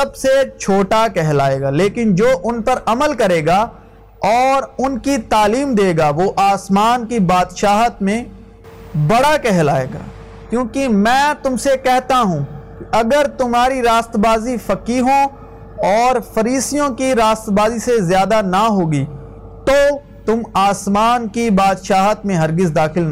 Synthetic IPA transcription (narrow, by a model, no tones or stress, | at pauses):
sɐbset͡ʃʰoːʈakɛɦla̰ːeːɡaːleːkɪnd͡ʒoːʔʊnpɐɾɐməlkɐɾeːɡaː | ɔːɾʊnkit̪aːliːmd̪eːɡaʋoʔaːsmaːnkibaːd̪ʃaːɦət̪mẽ | bɐɽakɛɦlaːḛːɡa̰ː | kjũːkimɛ̃ːt̪ʊmsekɛɦt̪aɦũːkiɐɡəɾt̪ʊmɦaːɾiɾaːst̪baːzifɐkiːɦõ | ɔːɾfɐɾiːsijõkiɾaːst̪baːzisezjaːd̪anaɦoːɡiː | t̪o | t̪ʊmaːsmaːnkibaːd̪ʃaːɦət̪mẽɦɐɾɡɪzd̪aːxɪln